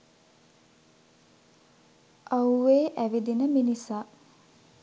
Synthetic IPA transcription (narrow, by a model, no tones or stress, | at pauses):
ʔawʋeːʔæʋid̪inəminisaː